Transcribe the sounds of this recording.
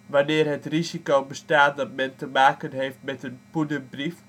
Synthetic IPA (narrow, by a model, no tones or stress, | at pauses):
ʋanɪːrɦətrizikowbəstaːt̚dɔtmɛntəmaːkənɦejftmɛtənpudəbrif